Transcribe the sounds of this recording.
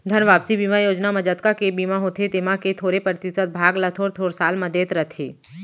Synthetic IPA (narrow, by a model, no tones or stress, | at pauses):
d̪ʱəɾnʋaːpsibiːmajoːd͡ʒnamɐd͡ʒət̪kakebiːmaɦoːt̪ʰet̪emaket̪ʰoːɾepɾət̪ɪsəd̪̚bʱaːɡlət̪ʰoːɾt̪ʰoːɾsaːlməd̪eːt̪ɾət̪ʰḛː